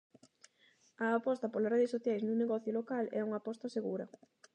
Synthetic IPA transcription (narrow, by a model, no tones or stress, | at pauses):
ɐːpɔst̪ɐpolasreðesoθjajsnũŋneɣɔθjʊlokalɛuŋapɔst̪ɐseɣuɾɐ̰